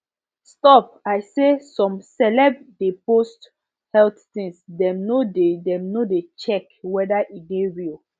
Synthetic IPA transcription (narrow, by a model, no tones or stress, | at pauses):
stɔp̚aɪsesɔ̃msɛlɛbdepost | hɛlttĩŋsdɛ̃mnodedɛ̃mnodet͡ʃɛkwɛdaʔiɡeɹil